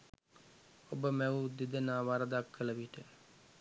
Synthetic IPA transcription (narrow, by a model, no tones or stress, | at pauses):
obəmæʋud̪id̪ənaːʋaɾəd̪akʰːələʋiʈə